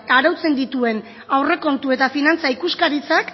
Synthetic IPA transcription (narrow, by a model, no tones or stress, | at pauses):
aɾawt͡se̞nd̪it̪ue̞n | awre̞ko̞nt̪ue̞t̪afinant͡saikuskaɾit͡sak